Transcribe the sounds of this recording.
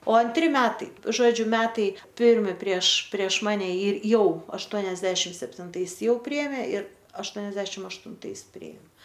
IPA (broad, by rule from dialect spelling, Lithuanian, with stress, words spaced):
oː ɐnʲˈtʲrʲɪ ˈmʲæːtɐɪ ˈʒoːd͡ʒʲʊ ˈmʲæːtɐɪ ˈpʲɪrʲmʲɪ pʲrʲiɛʃ pʲrʲiɛʃ ˈmɑːnʲɛ ɪr ˈjɛʊ ɐʃˈtuɔnʲɛzʲdʲɛʃʲɪm sʲɛpʲtʲɪnˈtɐɪs ˈjɛʊ ˈpʲrʲɪeːmʲeː ɪr ɐʃˈtuɔnʲɛzʲdʲɛʃʲɪm ɐʃtʊnˈtɐɪs ˈpʲrʲɪeːm